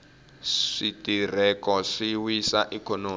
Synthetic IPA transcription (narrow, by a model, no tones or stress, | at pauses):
ʂitʼir̤ɛkɔʂiwisaʔikɔnoː